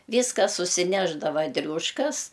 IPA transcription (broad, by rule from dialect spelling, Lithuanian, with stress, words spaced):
ˈʋʲiːskɐ sʊsʲɪˈnʲæːʒdɐʋɐ ˈdʲrʲuːʃkɐs